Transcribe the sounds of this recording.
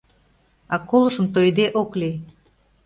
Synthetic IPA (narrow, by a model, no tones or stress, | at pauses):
ɑkoləʃə̆mt̪ojd̪eʔokli